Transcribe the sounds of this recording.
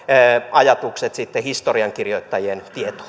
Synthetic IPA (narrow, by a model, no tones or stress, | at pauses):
ɑjɑt̪ukset̪sit̪ːehist̪oriɑŋkirjoit̪ːɑjient̪iet̪o̥